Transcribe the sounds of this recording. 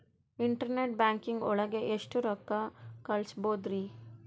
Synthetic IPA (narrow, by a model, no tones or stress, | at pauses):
iɳʈɐɾneʈ̚baːŋkiŋɡɔ̰ɭɐɡeʔeʂʈuɾɔkːɐkɐɭsboːd̪ɾi